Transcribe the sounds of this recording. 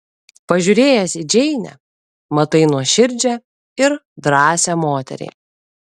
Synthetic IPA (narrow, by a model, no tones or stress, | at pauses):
pɐʒʲʊɾʲeːjɛsʲid͡ʒʲɛɪnʲɛ̰ | mɐt̪ɐɪnuɔʃʲɪɾʲd͡ʒʲɛ | ɪɾd̪ɾɑːsʲɛːmoːt̪ʲɛ̰ɾʲɛ̰ɪ